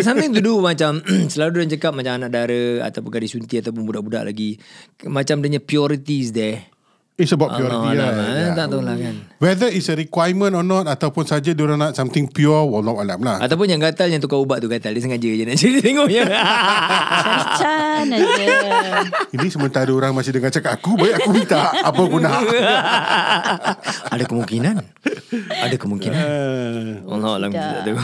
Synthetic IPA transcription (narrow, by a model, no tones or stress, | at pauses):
s̬amɪŋt̪̬udumat͡ʃamsəlaludaŋt͡ʃəkap̚mat͡ʃamanaʔdaɾəa̰t̪awpʊnkadisunt̪iat̪awp̬ʊnbudaʔbuda̰ʔlʔa̰ɡimat͡ʃamdəɲapiɔɾit̪iːs̬dɛ | itsəbaʔpjɔɾiat̪aʔt̪alakanwɛdəisəɾikwajmə̃nɔnɔt̪̚at̪awpʊnsad͡ʒaduɾanaʔsamt̪ɪ̃ŋpjɔwɔlnɔtalamlahʔa̰t̪awp̬ʊnjaŋɡat̪aljaŋt̪̬ukaubaʔt̪uɡat̪aldəs̬əŋad͡ʒəd͡ʒanaʔt͡ʃəɾit̪t̪eŋɔɲə | t͡ʃa | inĩsəmənt̪aɾəoɾaŋmãsɪhdəŋat͡ʃakat̪akubajɛʔakubit̪aʔʔapaɡunaɦa | adakəmuŋkinan | adakəmuŋkina | ɔ̰nɔ̰lamt̪t̪a̰ʔt̪u